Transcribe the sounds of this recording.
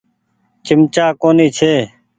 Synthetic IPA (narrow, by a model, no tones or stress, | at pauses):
t͡ʃɪmt͡ʃaːkoːniːt͡ʃʰeː